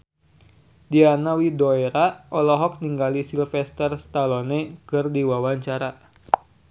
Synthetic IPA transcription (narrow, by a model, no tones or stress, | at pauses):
dianawidoeɾaʔɔlɔɦɔk̚niŋɡalisilfɛst̪ərst̪alɔnekərdiwawaɲt͡ʃaɾa